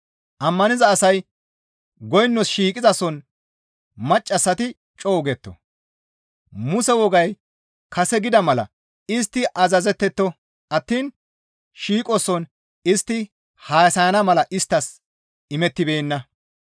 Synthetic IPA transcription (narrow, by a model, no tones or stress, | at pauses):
ʔɐmːɐnɪzɐːsɐj | ɡɔjnːɔsʃiːkʼɪzɐsɔn | mɐt͡ʃʼːɐsːɐt̪ɪ | t͡ʃʼɔːɡɛt̪ːɔ̰ | mʊsɛwɔɡɐj | kɐsɛɡɪd̪ɐmɐlɐ̰ | ɪst̪ːɪʔɐzɐzɛt̪ːɛt̪ːɔ | ʔɐt̪ːiːn | ʃiːkʼɔsɔn | ɪst̪ːɪ | haːsɐjɐnɐmɐlɐʔɪst̪ːɐs | ɪmɛt̪ːɪbeːnːɐ